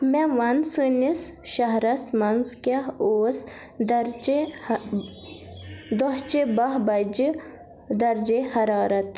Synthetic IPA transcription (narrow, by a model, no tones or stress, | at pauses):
meʋɐnsɨnisʃɐɦɾɐsmɐnzkɐoːs | d̪ɾ | d̪ɔɦt͡ʃebɐɦbɐd͡ʒi | d̪ɐɾd͡ʒehɐɾaːɾɐt̪